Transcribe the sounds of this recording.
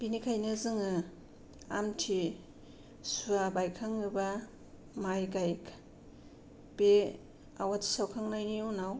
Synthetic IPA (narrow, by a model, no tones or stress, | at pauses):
b̥inikʰajnazɯŋɯ | amtʰi | suabajkʰaŋɯba | majɡajkʰ | b̥e | awatʰi̥sawkʰaŋnajniunaw